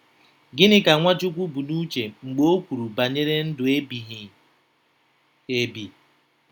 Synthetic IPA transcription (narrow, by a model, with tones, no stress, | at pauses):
ɡɪ˦nɪ˦ka˨ŋʷa˦d͡ʒu˦kʷu˦bu˨nu˦t͡ʃe˨ŋ͡m̩˨ɡ͡bo˦kʷu˨ɾu˨ba˨ɲe˦ɾe˦n̩˦dʊ˨e˦bi˨ɦi˨ | e˦bi˨